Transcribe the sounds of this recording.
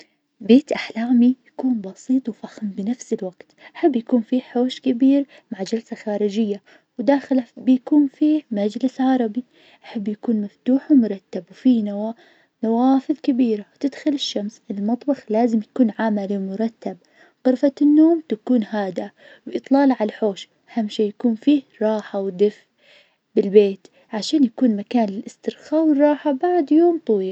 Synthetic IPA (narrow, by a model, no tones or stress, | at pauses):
beːt̪ʔaħlaːmijakuːnbɑsiːt̪ˤwfaxmbɪnafsɪlwaɡ̥t̪ʔaħabːjakuːnfiħoːʃkɪbiːɾ | maʕd͡ʒalsaxaːɾɪd͡ʒɪjːa | wd̪aːxlabjakuːnfiːmad͡ʒlɪsʕɑɾˤɑbi | ʔaħɪbːjakuːnmaft̪uːħwmʊɾˤɑt̪ːabwfina | nawaːfɨðˤkabiːɾawt̪ɪd̪xʊlɪʃːamsʔɪlmɑt̪ˤbɑxlaːzɪmjakuːnʕamaliwmʊɾˤɑt̪ːab̚ | qʊɾfanːoːmt̪akuːnhaːd̪a | wʔɨt̪ˤlɑːlʕalħoːʃʔahamːʃeːjakuːnfiːhɾˤɑːħawd̪ɪf | bɪlbeːt̪ | ʕaʃaːnjakuːnmakaːnlɪlʔɪst̪ɪɾxaːwɪrˤːɑːħabaʕd̪joːmt̪ˤɑwiː